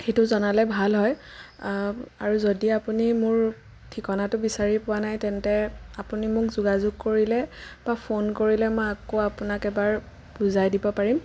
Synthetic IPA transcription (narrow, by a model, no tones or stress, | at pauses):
xejtʊzɔnalɛbʱalɦɔj | a̰ɹuzodiapunimʊɹ | tʰikɔnatʊbisaɹipʊwanajtɛntɛapunimʊkzuɡazʊɡ̚koɹilɛb̥apʰonkoɹilɛmɔjakoapʊnakɛbaɹ | b̥uzajdibɔpaɹim